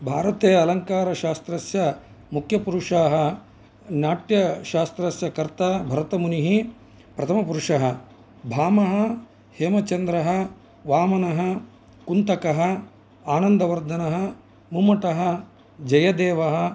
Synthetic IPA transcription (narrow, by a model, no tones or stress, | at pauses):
bʱaːɾɐt̪eːɐɐlɐŋkaːɾɐʃaːst̪ɾɐsjɐ | mukʰjɐpuɾuʂaːɦɐ̆ | naːʈjɐʃaːst̪ɾɐsjɐkɐɾt̪ɐbʱɐɾɐt̪ɐmuniɦi | pɾɐt̪ʰɐmɐpuɾuʂɐɦɐ | bʱaːmɐɦɐ | heːmɐt͡ʃɐnd̪ɾɐɦɐ | ʋaːmɐnɐɦɐ | kunt̪ɐkɐɦɐ | aːnɐnd̪ɐʋɐɾd̪ʱɐnɐɦɐ̆ | mumɐʈɐɦɐ | d͡ʒɐjɐd̪eːʋɐɦɐ̆